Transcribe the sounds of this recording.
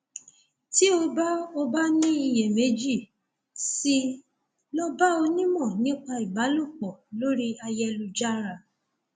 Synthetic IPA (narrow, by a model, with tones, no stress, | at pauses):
ti˨˦o˧ba˦o˧ba˦nĩ˦i˧jɛ˨me˨˦d͡ʒi˦˨ | si˧ | lɔ˦ba˦o˧nĩ˦mɔ̃˦˨nĩ˨˦k͡pa˧i˨ba˨˦lo˦˨k͡pɔ˨lo˦ɾi˦a˧jɛ˧lu˧d͡ʒa˦ɾa˧˨